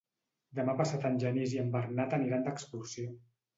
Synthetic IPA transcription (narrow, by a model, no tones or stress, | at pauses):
d̪əmapasat̪ənʲʒəniziəmbərnat̪əniɾand̪əkspusjo